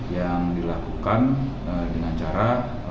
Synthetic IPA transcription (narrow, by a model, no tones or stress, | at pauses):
jaŋdilakukan | ədəŋat͡ʃaɾa